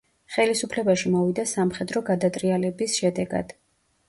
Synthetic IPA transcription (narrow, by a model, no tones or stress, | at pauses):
χɛlisupʰlɛbaʃimɔvid̪asamχɛd̪ɾɔɡad̪at̪ʼɾialɛbisʃɛd̪ɛɡa̰d̪̥